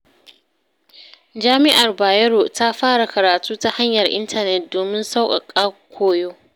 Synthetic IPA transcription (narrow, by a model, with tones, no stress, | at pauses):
d͡ʒaː˦mɪ˦ʔa˨rbaː˨jɐ˦ɽoː˨ta˦ɸaː˦ɽa˨kɐ˨ɾaː˨tuː˦ta˦ha˦ɲjɐ˨rʔɪ̰˦ntʰɐ˨nɛ˨t̚doː˨mɪ˦nsa˦wkʼa̰˨kʼaː˦kʷʰoː˨joː˦